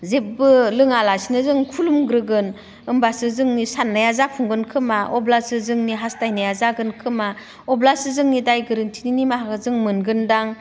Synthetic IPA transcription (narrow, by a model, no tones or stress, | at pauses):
zep̚bɯlɯŋalasinɯzɯŋkʰulumɡɾɯɡɯn | ɯmbasɯzɯŋnisanːajazapʰuŋɡɯnkʰɯmaʔɔblasɯzɯŋniɦastajnajazaɡɯnkʰɯma | ɔblasɯzɯŋnidajɡɯɾɯntʰininimaɦakɯzɯŋmɯnɡɯndaŋ